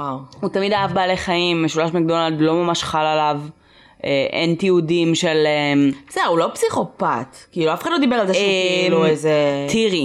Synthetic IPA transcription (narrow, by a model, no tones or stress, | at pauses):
wawhut̪amid̪aavbaːleχaimːeʃulaʃmeɡ̚d̪onald̪lo̞mamaʃχalalav | ʔeʔḛnt̪iudimʃe̞lemsedeulopsiχo̞pat̪kiiːluafe̥χadlod̪ibeʁalt̪aluezet̪iʁi